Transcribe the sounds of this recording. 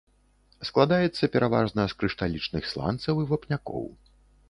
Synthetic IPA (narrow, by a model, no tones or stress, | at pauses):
sklˠad̪ajɛt̪sːɐpʲɛɾava̰ʐnɐskɾɨʂt̪alʲit͡ʂnɨxslˠa̰nt̪sɐwivapnʲakɔ̰w